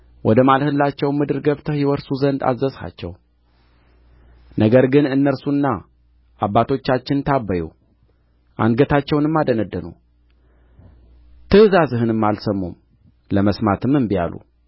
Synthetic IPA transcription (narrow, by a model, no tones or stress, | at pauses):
wʔɔd̪əmalhɨlːat͡ʃːɛwmɨd̪ɨɾɡəβt̪ʰəhiwɔɾsuzənd̪a̰zːəsha̰t͡ʃːɛ̰w | nʔəɡəɾɡɨnɨnːəɾsunːa | ʔabːat̪ʰo̞t͡ʃːat͡ʃːɪnt̪ʰabːəjṵ | ʔa̰nɡət̪ʰat͡ʃːɛwnɨmːad̪ənəd̪ːənṵ | t̪ʰɨɨzazɨɦɨnɨmːalsəmːum | ləməsmat̪ʰɨmɨmbija̰lṵ